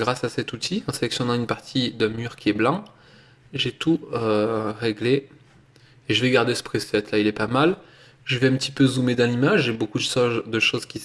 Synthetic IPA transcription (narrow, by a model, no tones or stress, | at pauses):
ɡʁasasɛt̪ut̪ʰiɑ̃sɛlɛksjɔnɑ̃ynpaʁt̪ʰid̪ɛ̃myʁkʲiɛblɑ̃ | ʒɛt̪uøʁeɡleː | ʒəvɛɡaʁd̪esə̥pχesɛt̪lailɛpamal | ʒəvɛɛ̃pət̪ipøzumed̪ɑ̃limaʒʒɛbokud̪əsɔd̪əʃozkʲi